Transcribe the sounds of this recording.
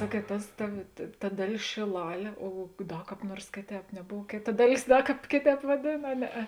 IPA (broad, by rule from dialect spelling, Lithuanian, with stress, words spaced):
ˈsɑːkʲiɛt ˈtɐs ˈtɐ tɐ ˈdɑːˌlʲeːs ʃʲeːˈlˠɑːlʲeː oː oː ˈdɐ ˈkɑːp ˈnuɔrs ˈkʲeːˌtʲɛːp nʲɛˈboːw ˈkʲeːˌtɐ ˈdɑːˌlʲeːs ˈdɐ ˈkɑːp ˈkʲeːˌtʲɛːp ʋɐˈdʲeːn ɐ ˈnʲæːˌɛ